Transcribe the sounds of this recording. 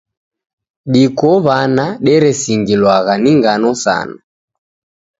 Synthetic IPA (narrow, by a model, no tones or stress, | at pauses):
ɗikɔβanaɗɛɾɛsiŋɡilwaɣaniŋɡanɔsa̰na